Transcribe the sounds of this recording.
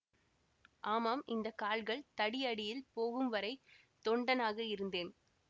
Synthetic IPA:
ʔaːmaːmʔɪnd̪ɐkaːlɣɐɭt̪ɐɽɪɐɽɪjɪlpoːɣɯmʋɐɾɐɪ | t̪ɔɳɖɐnaːɣɐɪɾɯnd̪eːn

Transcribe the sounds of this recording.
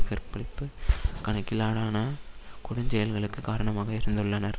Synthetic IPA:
kɐɾpːɐɭɪpːɯkɐɳɐkːɪlaːɽaːnɐkʊɽɐɲd͡ʒɛjɐlɣɐɭɯkːɯkaːɾɐɳɐmaːɣɐɪɾɯnd̪ɯɭːɐnɐɾ

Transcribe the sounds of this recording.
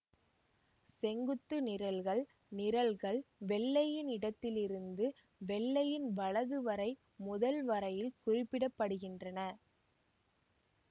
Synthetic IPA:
sɛŋɡɯt̪ːɯnɪɾɐlɣɐɭ | nɪɾɐlɣɐɭʋɛɭːɐjɪnɪɽɐt̪ːɪlɪɾɯnd̪ɯ | ʋɛɭːɐjɪnʋɐɭɐðɯʋɐɾɐɪ | mʊðɐlʋɐɾɐjɪlkʊrɪpːɪɽɐpːɐɽɯɣɪndrɐnɐ

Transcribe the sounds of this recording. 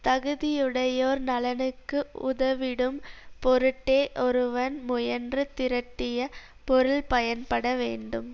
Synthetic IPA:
t̪ɐɣɯðɪjɯɽɐjoːɾnɐlɐnɯkːɯʊ̰ðɐʋɪɽɯmpɔɾɯʈːeːʔɔɾɯʋɐnmʊjɐndrɯt̪ɪɾɐʈːɪjɐ | pɔɾɯɭpɐjɐnpɐɽɐʋeːɳɖɯm

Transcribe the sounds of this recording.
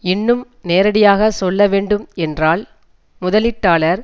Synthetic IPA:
ɪnːɯm | neːɾɐɽɪjaːɣɐsɔlːɐʋeːɳɖɯmɛndraːl | mʊðɐlɪʈːaːlɐɾ

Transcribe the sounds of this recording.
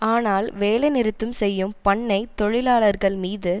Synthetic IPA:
aːnaːlʋeːlɐɪnɪɾɯt̪ːɯmsɛjːɯmpɐɳːɐɪt̪ɔɻɪlaːɭɐɾɣɐɭmiːðɯ

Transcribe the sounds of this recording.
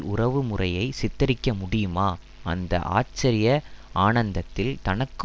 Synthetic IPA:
ʊrɐʋɯmʊrɐjɐɪsɪt̪ːɐɾɪkːɐmʊɽɪjɯmaː | ʔɐ̰nd̪ɐ̰ʔa̰ːt͡ʃːɐɾɪjɐaːnɐnd̪ɐt̪ːɪlt̪ɐnɐkːɯ

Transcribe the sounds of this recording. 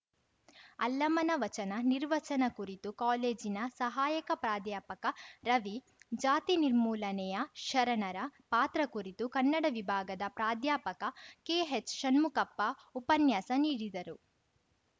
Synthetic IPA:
ɐlːɐmɐnɐʋɐt͡ʃɐnɐniɾʋɐt͡ʃɐnɐkuɾit̪ukaːleːd͡ʒinɐsɐɦaːjɐkɐpɾaːd̪jaːpɐkɐɾɐʋi | d͡ʒaːt̪iniɾmuːlɐnɛjɐʃɐɾɐɳɐɾɐpaːt̪ɾɐkuɾit̪ukɐnːɐɽɐʋibʱaːɡɐd̪ɐpɾaːd̪jaːpɐkɐkeːɦet͡ʃʃɐnmukɐpːɐupɐnjaːsɐniːɽid̪ɐɾu

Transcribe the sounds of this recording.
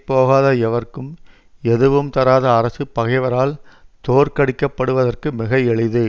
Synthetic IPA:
pːoːɣaːðɐɛʋɐrkɯm | ɛðɯʋɯmt̪ɐɾaːðɐːɾɐsɯpɐɣɐɪʋɐɾaːlt̪oːɾkɐɽɪkːɐpːɐɽɯʋɐðɐrkɯmɪɣɐɛɭɪðɯ

